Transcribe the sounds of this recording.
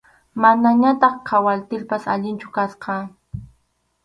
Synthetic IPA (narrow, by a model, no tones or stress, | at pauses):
manaɲat̪ɑχqʰawalt̪ɪlpasaʎɪnt͡ʃʊkasqɑ